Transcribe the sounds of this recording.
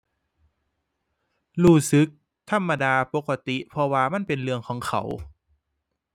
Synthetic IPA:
ɾuː˧˩sɯ˨˦k̚ | t̪ʰa˧˥˨mːa˧daː˧po˧˦kːa˧t̪i˧˦pʰɔ˧waː˧ma˥˨npe˨nlɯ˧əŋkʰɔː˩˦ŋkʰa̰˨˩w

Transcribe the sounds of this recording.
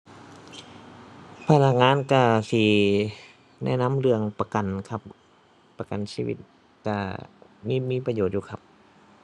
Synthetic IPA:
pʰa˧la˧k̚ŋaː˧˥˨nka˧˩si˧˩ | nɛ̰˧˥˨na˧˥˨mlɯ˧əŋpa˧ka˨nkʰa˧˦p̚ | pa˧ka˨nsiː˧˥˨wḭ˧˩t̪̚ | ka˧˩miː˧˥˨miː˧˥˨pa˧joː˨˩t̪̚juː˧˩kʰa˧p̚

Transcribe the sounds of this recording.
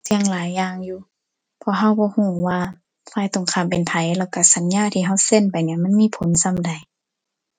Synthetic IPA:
si˧əŋlaː˨˦jːaː˧ŋjuː˧ | pʰɔ˧˨ɦa˧˥˨wbɔː˧˦huː˧˩waː˧ | faː˧˩˨jt̪o˨˧˨ŋkʰaː˧˩˨mpe˨npʰa˨˦jlɛː˧˩wka˧˩sa˨˦nɲaː˧˥˨t̪ʰiː˧˨ɦa˧˩˨wse˧˨npa˨jniː˧˨ma˧˥˨nmiː˧˥˨pʰo˨˦nsa˧˨mda˨j

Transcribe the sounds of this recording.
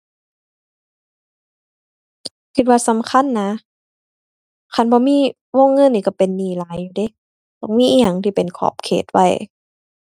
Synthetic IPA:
kʰi˧t̪̚waː˧˨sa˨˦mkʰa˧˥˨nːa˧˥ | kʰa˧˩˨nbɔː˧˦miː˧˥˨ | woː˧˥˨ŋːɤ˧˨nːiː˧˩ka˧˩pe˨nːiː˧˩laː˨˦jːuː˧de˧˦˨ | t̪ɔː˧˦ŋmiː˧˥ʔiː˧ja˨˩˨ŋt̪ʰiː˧˩pe˨nkʰɔ̰ː˧˩p̚kʰḛː˨˩t̪̚wa̰˧˩j

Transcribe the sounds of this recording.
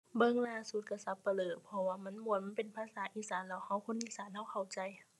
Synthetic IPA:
bɤ˧˨ŋlaː˧˩su˨˧˦t̪̚ka˧˩sa˧˦pːa˧lɤː˨˩t̪̚pʰɔ˧waː˧ma˧˥˨nmu˧˩˦ət̪̚ma˧˥˨pe˨npʰaː˧˥saː˨˦ʔiː˧˦˩saː˨˦nlɛː˧˩wha˧˥˨wkʰo˧˥˨nʔiː˧˩saː˨˦nha˧˥˨wkʰa˨˩wt͡ɕa˨j

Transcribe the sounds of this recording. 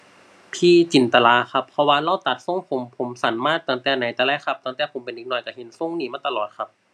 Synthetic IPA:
pʰiː˧˩t͡ɕi˨˩nt̪a˧laː˧˥xʰa˧˥pʰːɔ˧waː˧laː˧˥˩wt̪a˨˩t̪̚so˧˥˨ŋpʰo˨˦mpʰo˨˩˦msa˨˦nmaː˥˨t̪ɤː˧˩˦t̪ɛː˨˩na˨˦jt̪ɛː˧˦lɛː˧˥˨kʰa˧p̚t̪ɔː˧ŋt̪ɛː˧˩pʰo˨˦mpe˨nʔiː˧˩nɔː˧˩jka˧˩he˨˦nso˧˥˩ŋniː˧˩maː˧˥˩t̪a˧lɔː˨˩t̪̚kʰa˧p̚

